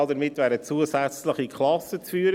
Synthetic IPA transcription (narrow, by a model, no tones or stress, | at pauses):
ldəɾmɪtːʋæːɾdət͡suəsæt͡sləχikχlɑsət͡sfyːəɾə